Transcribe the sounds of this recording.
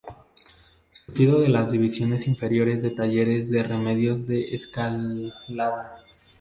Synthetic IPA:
suɾxiðoðe̞lazðiβisjo̞ne̞siɱfe̞ɾjo̞ɾe̞zðe̞t̪aʝe̞ɾe̞zðe̞re̞me̞ðjo̞zðe̞ʔeskalaða

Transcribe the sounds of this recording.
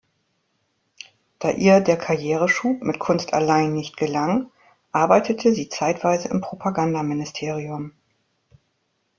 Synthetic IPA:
d̥aːʔiːɐdeːɐkʰaɐjeːʁ̞əʃuːpmɪtkʰʊnstʰa̰laɪnːɪçtɡ̥əlaŋ | ʔaɐbaɪtʰətʰəziːt͡saɪtv̥aɪzəɪmpʁ̥opʰaɡandamɪnɪstʰeːʁ̞iʊm

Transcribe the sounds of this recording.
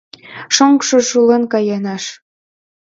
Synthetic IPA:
ʃoŋkʃɤʃulɤnkɑjɑnɑʃ

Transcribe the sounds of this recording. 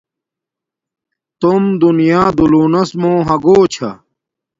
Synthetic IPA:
t̪umd̪unijaːd̪uluːnɐsmõːɦɐɡoːt͡ɕʰɐ̰

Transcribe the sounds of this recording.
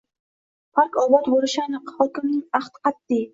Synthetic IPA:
pʰaɾkɒbɒt̪boɾɪʃanɨqhɒkʲɪmnɪŋaχt̪qʰɑt̪ːɪ

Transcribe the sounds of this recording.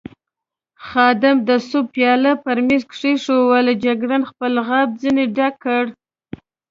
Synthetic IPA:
xɑd̪ɪmd̪əsʊb̚pːjɑlapəɾmezkʂeʂowald͡ʒaɡɾanxpəlɣab̚d͡zineɖakːəɽ

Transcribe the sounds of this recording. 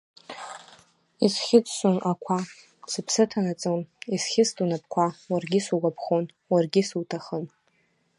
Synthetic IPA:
isχʲɪt͡sʼʃʷonakʷʰa | sɨpʰsɨtʰanat͡sʼonisχʲɪstʼunap̚ʰʼkʷʰawarɡʲɪsuɡʷapʰχon | warɡʲɪsutʰaχən

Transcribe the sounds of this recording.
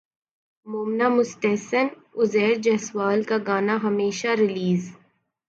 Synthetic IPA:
moːmnamʊst̪ɛɦsən | ʊzɛːɾd͡ʒɐɦswaːlkaɡaːnaɦɐmeːʃaɾɪliːz

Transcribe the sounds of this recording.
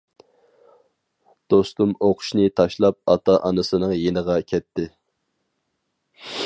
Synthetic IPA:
d̪̥ost̪umoqʰʊ̥ʃnɪt̪ʰɑʃlˠɑp̚ɑt̪ʰɑʔɑnɨsɨnɨŋjenəʁɑkʲʰɛt̪ːɪ

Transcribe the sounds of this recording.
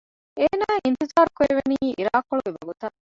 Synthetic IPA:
eːnaːʔint̪izaːɾukoeʋeniːʔiɾaːkːoɭuɡeʋɐ̰ɡut̪ɐ

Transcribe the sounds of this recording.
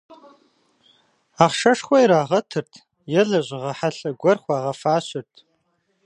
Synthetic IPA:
aχʂɐʂχʷaiɾaːʁɐtʰɨrtʰ | jɛɮɐʑʷʁɐħaɬɐɡʷɔrχʷaːʁɐfaːɕɪrtʰ

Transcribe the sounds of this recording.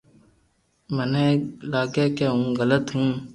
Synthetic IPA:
mənẽːlaːɡeːkeːɦũːɣələt̪ɦũː

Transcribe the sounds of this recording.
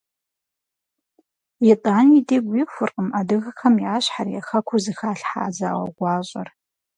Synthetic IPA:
jitʼaːnideɡʷixʷʊrqʼəmadɨɣɐxɐmiaːɕħarijaxɐkʷʰuzɨxaːɬħa̰ːza̰ːwɐ̰ɡʷaːɕʷʼɐ̰r

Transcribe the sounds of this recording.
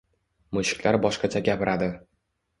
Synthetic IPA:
mʊʃɪ̥kʲlaɾbɒʃqɑt͡ʃʰaɡʲapɪɾʔad̪ɪ

